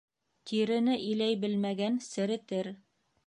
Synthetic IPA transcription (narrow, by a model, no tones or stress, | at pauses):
t̪ʰiɾɘ̆nɘʔĭlæjbɘlmæɡænsɘ̆ɾɘ̆t̪ɘɾ